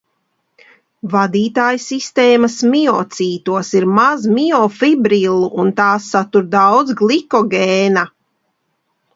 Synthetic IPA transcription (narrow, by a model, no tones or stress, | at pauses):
vad̪iːt̪aːjsist̪eːmɐsmiɔt̪siːt̪uɔsiɾmazmiɔfibɾilˠuʔunt̪aːsːat̪uɾd̪awd̪zɡlˠikɔɡʲeːna